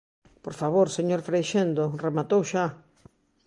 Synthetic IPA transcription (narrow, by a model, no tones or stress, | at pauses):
poɾfaβ̞oɾseɲoɾfɾejʃend̪oremat̪owʃa